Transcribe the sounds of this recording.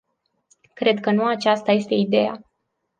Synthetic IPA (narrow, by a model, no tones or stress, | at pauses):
kɾe̞d̪kənuat͡ʃast̪ajest̪e̞id̪e̞ja̰